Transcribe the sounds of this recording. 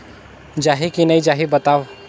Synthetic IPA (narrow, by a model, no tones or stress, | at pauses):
d͡ʒaɦikinəid͡ʒaɦibət̪aʋ